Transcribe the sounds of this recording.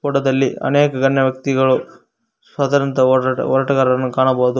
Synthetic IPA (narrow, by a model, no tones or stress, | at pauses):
pɔʈɐd̪ɐlːiɐ̰neːkɐɡɐnːɐʋjɐk̚t̪iɡɐɭu | sʋaːd̪ɐːɾɐnt̪ɐ̰ɔɾɐʈɐɡaːɾɐɐnːukaːɳɐboːd̪u